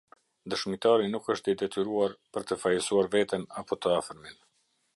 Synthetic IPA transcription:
d̪əʃmit̪aɾinukəʃt̪id̪ɛt̪yɾuaɾpəɾt̪əfajəsuaɾvɛt̪ɛnapɔt̪əafəɾmin

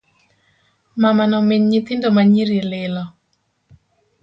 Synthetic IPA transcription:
mamanɔmeɲɲit̪ɪndomaɲiɾilɪlɔ

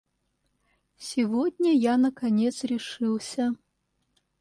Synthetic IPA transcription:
sʲivɔdʲnʲɐjanɐkanʲɛt̪sɾʲiʂɨwsʲɐ

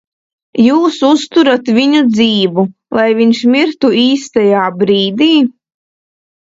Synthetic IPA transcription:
juːsust̪uɾat̪vʲiɲud̪ziːvu | lˠʔajviɲʃmiɾt̪uiːst̪ajaːbɾiːd̪iː

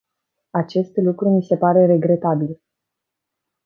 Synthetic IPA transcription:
at͡ʃe̞st̪lukɾumise̞paɾe̞ɾe̞ɡɾe̞t̪abil

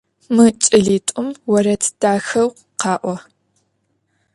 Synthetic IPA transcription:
mɨt͡ʃʼɪɮiːtʷʼʊmwɐɾɐtʰd̥aːxɐw | qɑːʔʷɔ

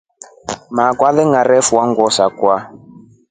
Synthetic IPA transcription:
makwaðɛŋɡaɾɛfuwaŋɡɔsakwa

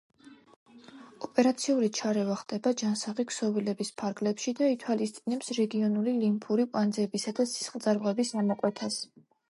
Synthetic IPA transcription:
ɔpʼɛɾat̪sʰiuɾit͡ʃʰaɾɛvaχd̪ʼɛbad͡ʒansaʁikʰsɔvilɛbispʰaɾɡlɛpʃid̪ait̪ʰwalist̪sʼinɛpsɾɛɡiɔnulilimpʰuɾikʼand̪zɛbisad̪asi̥sχld̪zʼaɾmʁɛbisamɔkʼwɛt̪ʰas

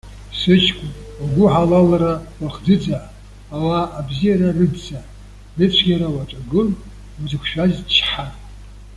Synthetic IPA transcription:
sɨt͡ʃʰkʷʼʊaɡʷʊʕalalaɾawaχd͡zɨd͡zaʕː | waːbzijaɾarɨdzaʕ | dɨt͡ɕʷʰɡʲaɾawat͡ʃʷʼaɡɨl | azɨkʷʰʃᶣazt͡ʃʰħa

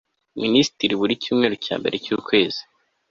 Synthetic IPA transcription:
minisi̥tiɾiβuɾicuːmŋe̞ːɾoca̰ːmbe̞ɾe̞cuːkwe̞ːzi̥

